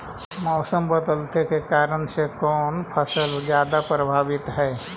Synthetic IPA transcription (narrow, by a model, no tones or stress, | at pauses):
mɔːsəmbəd̪əlt̪ekekaːɾənsekɔːnpʰəsəld͡ʒjaːd̪apɾəbʱaːbɪt̪ɦɛː